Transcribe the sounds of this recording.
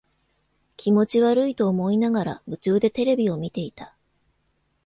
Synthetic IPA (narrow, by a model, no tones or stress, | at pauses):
kʲʰimo̞t͡ɕiβaɾɯ̟it̪o̞ːmo̞inaɡaɾa̰bɯ̟t͡ɕɨːd̪e̞t̪e̞ɾe̞bʲio̞mʲit̪e̞it̪ḁ